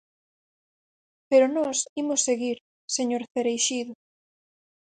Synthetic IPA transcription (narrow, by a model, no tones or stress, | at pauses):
peɾʊnɔsimʊsːeɣiɾ | seɲoɾθeɾejʃiðʊ